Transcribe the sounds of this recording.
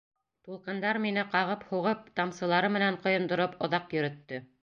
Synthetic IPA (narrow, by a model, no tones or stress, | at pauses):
t̪ulˠqɤ̆nd̪ɑɾminɘqɑʁɤphuʁɤp̚t̪ɑmsɤ̆lˠɑɾɤmɘ̆næɴqŏjŏnd̪ŏɾɤpŏðɑqjɵ̆ɾɵ̆t̪ːɵ